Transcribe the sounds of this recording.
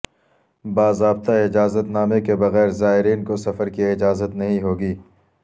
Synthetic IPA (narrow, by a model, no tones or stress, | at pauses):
baːzɾaːb̚t̪aɪd͡ʒaːzət̪naːmekebɐɣɛːɾzaːɦɪɾiːnkosɐfəɾkiɪd͡ʒaːzət̪nɐɦĩɦoːɡiː